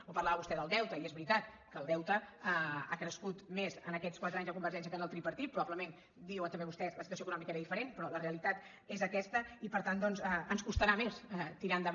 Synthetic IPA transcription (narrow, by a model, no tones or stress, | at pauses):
opəɾlaβəβust̪ɛðəlˠd̪ɛwt̪əiɛzβɾit̪at̪ | kəːlˠd̪ɛwt̪ə | akɾəskut̪mezənəkɛt͡sskwat̪ɾaɲzðəkumbəɾʒɛns̬jəkənəlˠt̪ɾipəɾt̪it̪pːɾuβaβləmen | d̪iwənt̪əmbeβust̪ɛsləsit̪uəsjoəkunɔmikəeɾəðifəɾenpɾɔləreəlit̪at̪ | ezəkɛst̪əipəɾt̪and̪ɔnzɛənskust̪əɾamesɛt̪iɾand̪əβ